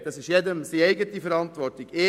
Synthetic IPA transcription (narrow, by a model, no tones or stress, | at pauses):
d̥ɑsɪʃjɛdəmsiɛɪɡətifəɾɑntʋɔrtiɡ̥ɪ